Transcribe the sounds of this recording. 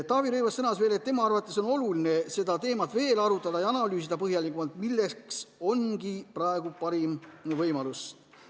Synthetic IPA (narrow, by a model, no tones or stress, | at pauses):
t̪ɑːviɾyjvɑsːɤnɑsve̞ːlet̪ːe̞mɑɑrvɑt̪ːˑeso̞no̞lulinese̞d̪̥ɑt̪e̞ːmɑt̪ve̞ːlɑɾut̪ːˑɑd̪̥ɑjɑnɑlyːsid̪̥ɑpɤɦjɑlikːˑumɑlt̪milːe̞kso̞nɡiprɑeɡ̥upɑɾimvɤjmɑlus